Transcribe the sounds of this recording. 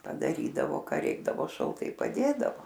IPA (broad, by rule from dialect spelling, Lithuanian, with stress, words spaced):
pɐdɐˈrʲiːdɐʋoː ˈkɐ ˈrʲɛɪɡdɐʋoː ʃɐlˠˈtɐɪ pɐˈdʲeːdɐʋoː